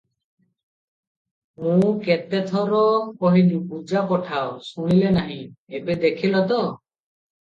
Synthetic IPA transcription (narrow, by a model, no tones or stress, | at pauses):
mũket̪et̪ʰɔɾɔkɔɦilupud͡ʒakɔʈʰaosuɽ̃ilenaɦĩebed̪ekʰilɔt̪ɔ